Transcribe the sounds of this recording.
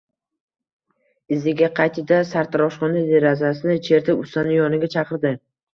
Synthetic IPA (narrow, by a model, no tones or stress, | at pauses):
ɪzɪɡʲaqʰɑjt̪ʰɪd̪asaɾt̪ʰɾɒʃχɒnad̪eɾazasɪnɪt͡ʃʰe̞ɾt̪ʰɪpʊst̪anɪjɒnɪɡʲat͡ʃʰɑqʰɨɾd̪ɪ